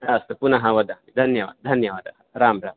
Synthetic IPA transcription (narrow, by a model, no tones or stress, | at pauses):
ast̪upunɐɦɐʋɐd̪ɐid̪ʱɐnjɐʋa̰ːd̪ʱɐnjɐʋaːd̪ɐ | ɾaːmɾaːm